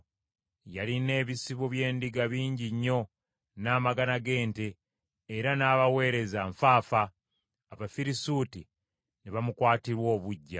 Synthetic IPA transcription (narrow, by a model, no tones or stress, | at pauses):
jaline̞ːβisiβoβje̞ːndiɡaβiːɲɟiɲːo̞ | naːmaɡanaɡe̞ːnte̞ː | ɾanaːβawe̞ːɾe̞zaɱfaːfaː | βafiɾisuːti | niβamukwaːtiɾwo̞ːβuɟːa